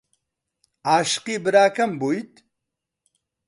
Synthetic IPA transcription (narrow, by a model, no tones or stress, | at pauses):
aːʃqiːbɨɾaːkʰɐmbujt̪